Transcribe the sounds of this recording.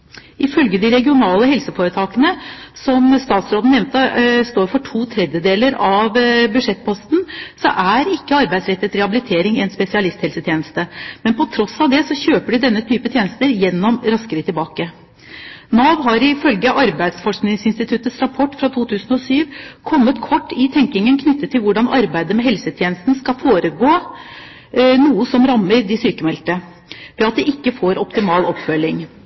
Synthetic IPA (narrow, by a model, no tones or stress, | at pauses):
ɪfœlɡəd̪ɪɾɛɡɪʊnɑːləɦɛlsəfoːɾət̪ʰɑːkənəsɔmst̪ɑːt̪sɾoːd̪n̩nɛʋnt̪əst̪oːɾfɔʈʰuːt̪ʰɾɛd̪jəd̪eːləɾɑʋbʉʂɛt̪̚ːpʰɔst̪n̩sɔ̰ʔæɾɪkːəɑɾbæɪsɾɛt̪ːət̪ɾɛhɑbɪlɪt̪ʰeːɾɪŋɛnspɛsɪɑlɪst̪hɛlsət̪ʰjeːnəst̪əmɛnpɔt̪ʰɾɔsɑʋd̪ɛsɔçøːpəɖɪd̪ɛnːət̪ʰyːpət̪ʰjeːnəst̪əɾjɛnːɔmɾɑskəɾət̪ʰɪlbɑːkə | nɑːʋɦɑɾɪfœlɡəʔɑɾbæɪd̪sfɔʂknɪŋsɪnst̪ɪt̪ʰʉt̪əsɾɑpʰɔʈːfɾɑt̪ʰuːt̪ʰʉːsn̩ɔsyːʋkʰɔmːət̪kʰɔʈːɪt̪ʰɛŋkɪŋənkʰnʏt̪ːət̪ʰːɪlʋʊɖɑnɑɾbæɪd̪əmɛɦɛlsət̪ʰjeːnəst̪n̩skɑfoːɾəɡoː | nuːəsɔmɾɑmːəɾɖɪsyːkəmɛlt̪ə | ʋɛɑt̪̚d̪ɛʔɪkːəfoːɾɔpt̪ɪmɑːlɔpfœlːɪŋ